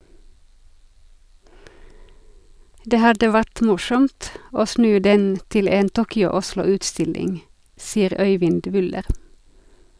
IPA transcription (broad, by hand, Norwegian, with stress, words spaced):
ˈdeː ˈhɑdə ˈʋæʈ ˈmʊʃɔmt ˈoː ˈsnʉː ˈdɛn ˈtɪl ˈeːn ˈtuːkʏʊ ˈʊʃlʊ ˈʉːtˌstɪlɪŋ ˈsiːəʁ ˈœʏʋɪnd ˈʋʏləʁ